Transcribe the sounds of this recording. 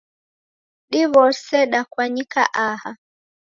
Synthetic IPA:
ɗiβɔsɛɗakwaɲika̰ʔaha

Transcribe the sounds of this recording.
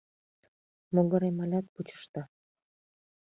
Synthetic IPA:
moɡə̆ɾemɑlʲɑt̪̚put͡ɕə̥ʃt̪ɑ

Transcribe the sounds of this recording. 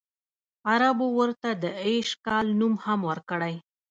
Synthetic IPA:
aɾabowəɾt̪ad̪əeʃkɑlnumhamwəɾkəɽaj

